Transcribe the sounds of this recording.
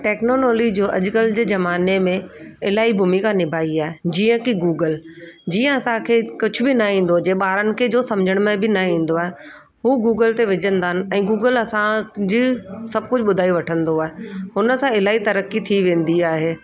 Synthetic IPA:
ʈɛːknoːloːlid͡ʑoːʔɐ̰ʄʊkəld͡ʑeːzɐmaːnemẽɪlaːibʱumikãnɪbʱaːiaːɦed͡ʑiːə̃kiɡuːɡəld͡ʑiːə̃ɐsãkʰekʊt͡ɕʰʊbɪnɐɦĩːn̆d̪od͡ʑeːɓaːɾənɪ̆kʰed͡ʑoːsɐ̃md͡ʑʱəɽ̃mẽbɪnɐɦĩːn̆d̪oaːɦe | ɦuːɡuːɡəlt̪eʋɪd͡ʑə̃nd̪aːɦənɪ̆ɛ̃ːɡuːɡəlɐsãd͡ʑiːsɐb̚kʊd͡ʑʱɓʊd̪ʱaːiʋɐʈʰə̃nd̪oaːɦeɦʊnə̆sãɪlaːit̪ɐɾəkit̪ʰiʋẽːn̆d̪iaːɦeː

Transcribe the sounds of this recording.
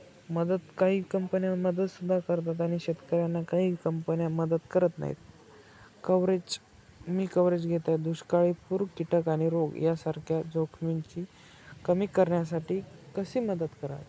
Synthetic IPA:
məd̪əd̪kaɦiːkəmpənjaməd̪əd̪sud̪ʱːakəɾt̪at̪̬aɽ̃iɕet̪kəɾjanːakaɦiːkəmpənjaməd̪əd̪kəɾət̪na̰ɦḭt̪̚ | kəʋɾed͡ʑ | miːkəʋɾed͡ʑɡʱet̪ad̪uɕkaɭipuɾkiʈəkaɽ̃iɾoɡjasaɾkʰjad͡zokʰmint͡ɕiː | kəmiːkːəɾɳjas̬aʈiːkəsiːməd̪əd̪kəɾa̰t̪

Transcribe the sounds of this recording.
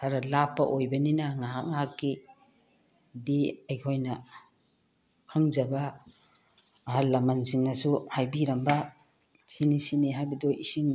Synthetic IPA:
tʰaɾɐlapːɐ̰ʔojbɐninɐŋaɦak̚ŋɦakːi | diɐjkʰojnɐ | kʰaŋzɐbɐ | ɦallːɐmansiŋnɐsuhajbiɾɐmbɐ | sinisiniɦajbɐdoʔisiŋ

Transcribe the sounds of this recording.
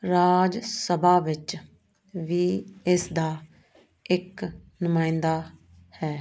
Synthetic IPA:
ɾaːd͡ʒsəbaːʋɪt͡ʃ | ʋiːɪsd̪aː | ɪknʊmãːɪ̃nd̪aː | hɛː

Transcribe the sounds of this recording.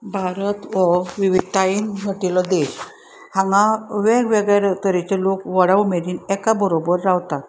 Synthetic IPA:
bʱaɾət̪ʋɔʋiʋid̪̚t̪ainɡʱəʈilɔd̪eɕ | hãŋɡãʋeɾʋeɡjɾet̪əɾet͡ɕelokʋəɽaʋmeɾiːnɛkabəɾobəɾːawt̪at̪

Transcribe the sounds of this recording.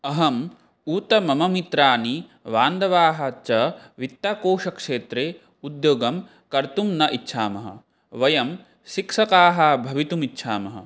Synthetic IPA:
ɐɦɐm | uːt̪ɐmɐmɐmit̪ɾaːniʋaːnd̪ɐʋaːɦɐt͡ʃɐʋit̪ːaːkoːʂɐkʂeːt̪ɾeː | ud̪joːɡɐm | kɐɾt̪umnɐʔitːʃʰaːmɐɦɐ̰ | ʋɐjɐm | ʃikʂɐkaːɦɐbʱɐʋit̪umitːʃʰaːmɐɦɐ̰

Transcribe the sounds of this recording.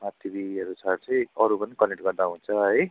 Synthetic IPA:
mat̪ibiʌɾut͡sʰʌt͡sʌj̃ʌɾupʌnikʌneʈɡʌɾd̪aɦũnt͡sʰʌɦʌj

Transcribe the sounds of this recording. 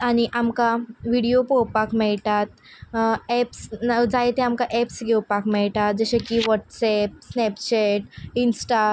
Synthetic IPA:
aɽ̃iʔamkaʋiɽiopɔwpakmɛɭʈ̪at̪ | ɛpsd͡zajt̪eamkaʔɛpsɡʱɛwpakmɛɭʈat̪̚d͡zəɕẽkiʋɔʈsɛp̚snɛpt͡ɕeʈinsʈa

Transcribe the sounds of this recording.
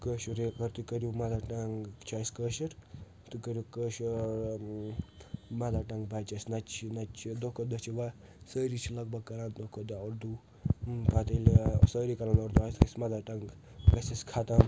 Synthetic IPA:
kəʃuɾekɐɾt̪ukəɾjumɐd̪aʈɐŋɡt͡ʃʰaːsʲkəːʃɐɾ | t̪ukɐɾjukəːʃɾ | mɐd̪aːʈɐŋɡbɐt͡ʃɐsʲnɐt͡ʃʰinɐt͡ʃʰid̪okʰod̪ɐt͡ʃʰiʋa | səːɾit͡ʃʰilɐɡ̚bɐɡ̚kɐɾaːnd̪okʰod̪ioɾd̪u | pat̪ɐlsəːɾikɐɾãːnoɾd̪uaːskɐsʲmɐd̪aʈɐŋɡ | bɐsʲɐsʲkʰaːt̪am

